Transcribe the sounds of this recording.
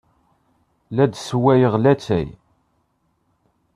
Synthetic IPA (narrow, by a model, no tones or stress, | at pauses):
læd̪swæjəʁlæt͡sːæ̰j